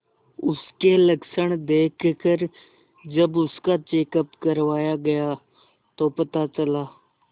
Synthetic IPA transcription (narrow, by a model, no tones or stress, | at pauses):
ʊskelɐksəɽ̃d̪eːkʰkəɾ | d͡ʒɐbʊskat͡ʃeːkəpkɐɾʋaːjaɡɐja | t̪opɐt̪at͡ʃɐlaː